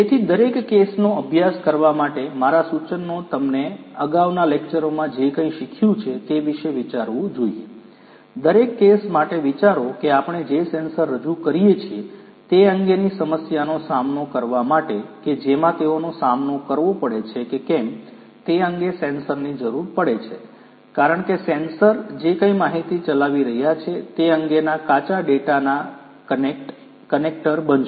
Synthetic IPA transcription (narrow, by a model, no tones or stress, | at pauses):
et̪ʰid̪əɾekːesnoəbʱjaskəɾʋamaʈemaɾasut͡ʃənːot̪əmneəɡaʋnalekt͡ʃəɾomãd͡ʒekə̃ĩʃikʰjũt͡ʃʰet̪eʋiʃeʋit͡ʃaɾʋũd͡ʒoijḛ | d̪əɾekːesmaʈeʋit͡ʃaɾokeapɳ̃ed͡ʒesensəɾːəd͡ʒukəɾijet͡ʃʰie | t̪eəŋɡenisəməsjanosamnokəɾʋamaʈeked͡ʒemãt̪eonosamnokəɾʋopəɽet͡ʃʰekekɛm | t̪eəŋɡesensəɾnid͡ʒəɾuɾpəɽet͡ʃʰe | kaɾəɳkesensəɾd͡ʒekə̃imaɦit̪it͡ʃəlaʋiɾəɦjat͡ʃʰet̪eəŋɡenakat͡ʃaɖeʈana | ʈ | kənek̚ʈəɾbənʃ